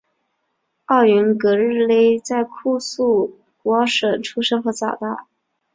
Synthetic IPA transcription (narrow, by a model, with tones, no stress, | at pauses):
ɑ˥˩ʊy˧˥nkɤ˧˥ɻɻ̩˥˧le˥ɪt͡sa˥˧ɪkʰu˥˧su˥˩ | kwɔ˧˥ʂə˨˩nʈ͡ʂʰu˥ʂɤ˥xɤ˧˥t͡sɑ̰˨˩ʊt̪a˥˩